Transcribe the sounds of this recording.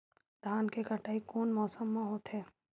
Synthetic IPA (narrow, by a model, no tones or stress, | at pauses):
d̪ʱaːnkekəʈaːikoːnmɔːsəmːãɦoːt̪ɦɛː